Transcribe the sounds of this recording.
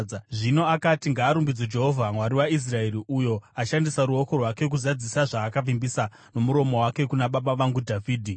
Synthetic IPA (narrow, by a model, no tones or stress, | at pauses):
ʐino̞akatiŋɡaːɾumbid͡zod͡ʒe̞ɦovʱamwaɾiwais̬rae̞ɾiʔujo̞aʃandisaɾuo̞ko̞rwake̞k̬uzad͡zisaʐaːkavimbisa | no̞muɾo̞mo̞wake̞kunaɓaɓaʋaŋɡudʱaviːdʱi